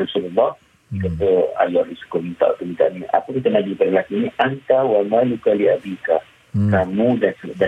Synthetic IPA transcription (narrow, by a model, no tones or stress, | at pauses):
ɾisululːɔh | ikat̪oa̰jɔdisu̥komint̪a̰ʔt̪umint̪a̰ʔnia̰pəkit̪anaɡipadalakiniʔankawamalukaliabika | kamũdansəda